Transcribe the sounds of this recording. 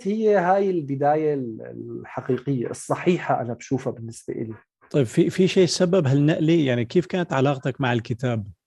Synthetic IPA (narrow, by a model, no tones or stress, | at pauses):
hɪjːehaːjɪlbɪd̪aːjalħaqiːqɪjːa̰ʔɨsˤːɑħiːħaʔa̰nabʃuːfabɪnːɪsba̰ʔɪ̰li | t̪ˤɑjbfifiʃeːsabːabɦalnːaʔlijaʕnikeːfkaːnat̪ʕalɑːqt̪akmaʕɪlkɪt̪aːb̚